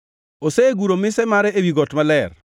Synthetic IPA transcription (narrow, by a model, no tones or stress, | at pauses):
osɛɡuɾomɪsɛmaɾɛewiɡɔtmalɛr